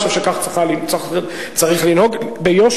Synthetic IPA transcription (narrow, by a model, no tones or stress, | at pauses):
ʃavʃekaχt͡sʁiχalint͡saχe | t͡saʁiχlinhoɡbejoʃ